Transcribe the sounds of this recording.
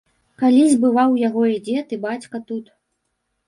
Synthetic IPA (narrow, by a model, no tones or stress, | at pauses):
kalʲizʲbɨvawjaɣɔid͡zʲɛt̪ɨbat͡sʲkɐt̪ut̪